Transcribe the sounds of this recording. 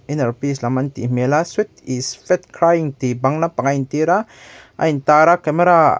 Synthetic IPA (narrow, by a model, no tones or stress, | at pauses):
inəɾpislamant̪ḭmelaswit̪isfɛt̪̚kʰɾajiŋt̪ibaŋnapaŋajnt̪iɾa | ʔa̰jnt̪aɾakɛmeɾa